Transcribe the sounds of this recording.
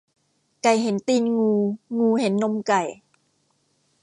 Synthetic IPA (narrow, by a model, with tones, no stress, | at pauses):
ka˨˩jɦe˩˦nt̪iː˧nŋuː˧ŋuː˧he˩˦nːo˧mka˨˩j